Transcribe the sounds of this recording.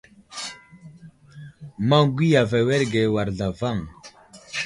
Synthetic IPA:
ma˦ɡʷi˦ja˨vɛ˨wɛ˦ɾɡɛ˨wa˨ɾɮa˨va˦˨ŋ

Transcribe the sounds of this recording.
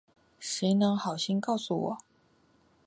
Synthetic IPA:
ʂi˧˥ɪnɤ˧˥ŋxɑ˨˩ʊɕi˥nkɑ˥˩ʊsu˨˩wɔ̰˨˩˦

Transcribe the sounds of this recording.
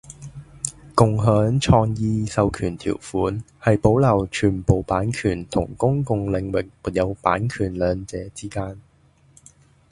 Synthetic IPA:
kʊ˨ŋɦœː˨˥ŋt͡ʃʰɔː˧ŋjiː˧sɐ˨wkʰyː˨˩nt̪ʰḭː˨˩wfuː˨˥n | hɐ˨jpo˨˥wlɐ˨˩wt͡ʃʰyː˨˩npo˨wpaː˨˥nkʰyː˨˩nt̪ʰʊ̰˨˩ŋkʊ˥ŋkʊ˨ŋlɪ˨ŋwɪ˨k̚muː˨t̚jɐ˨˧wpaː˨˥nkʰyː˨˩nlœː˨˧ŋt͡sɛː˨˥t͡siː˥kaː˥n

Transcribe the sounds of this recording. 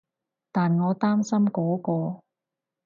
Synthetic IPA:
t̪aː˨nŋɔː˨˧t̪aː˥msɐ˥mkɔː˨˥kɔː˧

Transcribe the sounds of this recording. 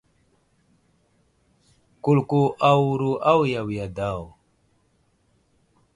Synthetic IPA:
ku˨lku˨ʔa˨wu˨ɾu˨ʔa˦wja˨wi˨ja˨da˦˨w

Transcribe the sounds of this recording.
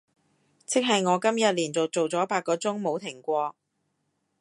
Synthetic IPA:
t͡sɪ˥k̚ɦɐ˨jŋɔː˨˧kɐ˥mjɐ˨t̚liː˨˩nt͡so˨wt͡so˨wt͡sɔː˨˥paː˧t̚kːɔː˧t͡sʊ˥ŋmo˨˧wt̪ʰɪ˨˩ŋkʷɔː˧k̚

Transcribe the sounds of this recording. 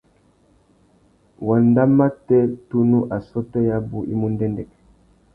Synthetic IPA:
wa˨nda˦ma˦tɛ˦tu˦nu˦ʔa˨sɔ˦tɛ˦ja˦bu˦ʔḭ˦mu˦ndɛ˦ndɛ˨k

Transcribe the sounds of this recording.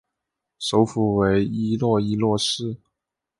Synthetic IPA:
ʂo˧˥ʊfu˨˩we˧˥ɪi˥lwɔ˥˧i˥lwɔ˥˧ʂɻ̩˥˩

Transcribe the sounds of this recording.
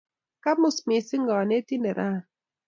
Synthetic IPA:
ka˦mʊ˦smɪ˨sɪ˦ŋɡɔ˨ne˦ti˦nɛ˨ɾa˦

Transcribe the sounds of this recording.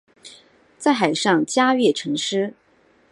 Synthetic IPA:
t͡sa˥˩ɪxa˨˩ɪʂɑ˥˩ŋt͡ɕja˥ɥɛ˥˩ʈ͡ʂʰɤ˧˥ŋʂɻ̩˥

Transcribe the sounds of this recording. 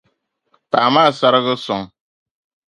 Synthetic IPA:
taː˨maː˦˨sa˦ɾɣə˦sɔ˨ŋ

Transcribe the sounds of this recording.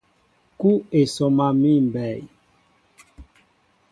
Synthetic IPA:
ku˦e˨sɔ˨ma˨mi˦m˨bɛ˨j

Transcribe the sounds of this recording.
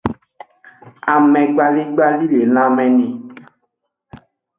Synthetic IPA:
a˨mɛ̃˨ɡ͡ba˨li˦ɡ͡ba˦li˦le˨l̃ã˦mɛ̃˨nĩ˨

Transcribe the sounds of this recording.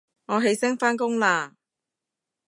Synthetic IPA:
ŋɔː˨˧ɦe˨˧jsɪ˥ŋfaː˥nkʊ˥ŋlaː˧

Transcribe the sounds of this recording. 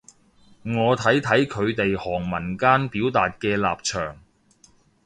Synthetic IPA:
ŋɔː˨˧t̪ʰɐ˨˥jt̪ʰɐ˨˥jkʰɵ˨˧ɥt̪e˨jhɔː˨˩ŋmɐ˨˩nkaː˥npiː˨˥wt̪aː˨t̚kɛː˧la̰ː˨p̚t͡ʃʰœː˨˩ŋ

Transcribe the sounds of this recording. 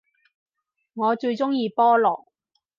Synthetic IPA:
ŋɔː˨˧t͡ʃɵ˧ɥt͡sʊ˥ŋjiː˧pɔː˥lɔ̰ː˨k̚

